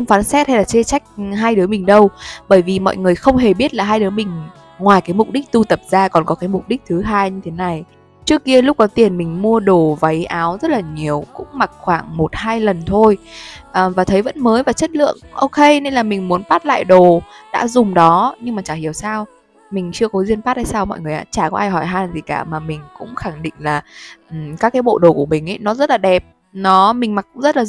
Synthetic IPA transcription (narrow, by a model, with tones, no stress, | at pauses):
xə˧ŋ͡mfaː˨˦nsɛ˦˥t̚ha˧jlaː˨˩t͡ɕe˧t͡ɕa˦˥jk̟̚ɦaː˧jɗɨ˨˦əmï˨˩ŋ̟ɗə˧wɓəː˧˩jvi˨˩mɔ̰˧˨jŋɨ˨˩əjxə˧wŋ͡mɦe˨˩ɓi˦˥ət̚laː˨˩ɦaː˧jɗɨ˨˦mï˨˩ŋ̟ | ŋwaː˨˩jkaː˨˦jmʊ˨˩k͡p̚ɗï˦˥k̟̚t̪u˧t̪ə˨˩p̚z̥aː˧kɔ˨˩nkɔ˨˦kaː˨˦jmʊ˨˩k͡p̚ɗi˦˥k̟̚t̪ʰɨ˨˦ɦaː˧jɲɨ˧t̪ʰe˨˦na˨˩j | t͡ɕɨ˦˥əkːi˧əlʊ˦˥k͡p̚kɔ˨˦t̪i˨˩ənmï˨˩ŋ̟mu˧əɗo˨˩va˨˦jʔaː˨˦wzə˦˥t̚laː˨˩ɲi˨˩əwkʊ̰˧˥ŋ͡mma˨˩k̚xwaː˧˩ŋmo˨˩t̚haː˧jlə˨˩nt̪ʰo˧jʔəː˨˩vaː˨˩t̪ʰə˨˦jvə̰˧˥nməː˨˦jvaː˨˩t͡ɕə˦˥t̚lɨ̰˧˨əŋʔo˧wke˧ne˧nlaː˨˩mï˨˩ŋ̟mu˨˦ənfaː˦˥t̚la̰ː˧˨jɗo˨˩ɗa̰ː˧˥zʊ˨˩ŋ͡mɗɔ˨˦ɲɨ˧ŋmaː˨˩t͡ɕaː˧˩hi˨˩əwsaː˧w | mï˨˩ŋ̟t͡ɕɨ˧əkɔ˨˦zwi˧ənfaː˦˥t̚haː˧jsaː˧wmɔ̰˧˨jŋɨ˨˩əʔa̰ː˧˥t͡ɕaː˧˩kɔ˨˦ʔaː˧jɦɔ˧˩jɦaː˧nzi˨˩ka̰ː˧˩maː˨˩mï˨˩ŋ̟kʊ̰˧˥ŋ͡mxa˧˩ŋɗḭ̈˧˨ŋ̟laː˨˩˨ | kaː˦˥kːa˨˦jɓo̰˧˨ɗo˨˩ku˧˩əmï˨˩ŋʔə̰˧˦jnɔ˨˦zə˦˥t̚laː˨˩ɗɛ˨˩p̚ | nɔ˨˦mï˨˩ŋ̟ma˨˩k̚ːʊ̰˧˥ŋ͡mzə˦˥laː˨˩